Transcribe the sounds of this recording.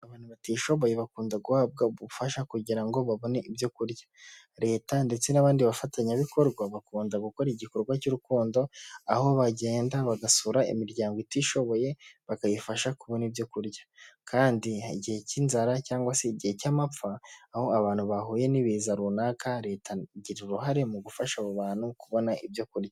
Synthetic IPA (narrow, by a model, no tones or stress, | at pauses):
aβaːn̥uβatiːʃo̞βo̞je̞βakuːndaɡuhaːb̚ɡaβufaʃakuɟiɾaŋɡo̞βaβo̞neʔibjo̞kuɾjḁ | ɾe̞ːtande̞t͡se̞naβaːndiβafatʰaɲaβiko̞ɾɡwaβakuːndaɡuko̞ɾiɟiko̞ɾɡwacuɾukuːndo̞aho̞βaɟe̞ːndaβaɡasuɾaḭmiɾɟaːŋɡoitiːʃo̞βo̞je̞βakajifaʃakuβo̞nibjo̞kuɾjḁkʰaːndiɟihe̞cinzaɾacaːŋɡwase̞ɟihe̞camap͡faːho̞aβaːn̥huβahuːje̞niβiːzaɾunaːkaɾe̞ːtʰaɟiɾiuɾuɦaɾe̞muɡufaʃaβuβaːn̥hukuβo̞naʔibjo̞kuɾja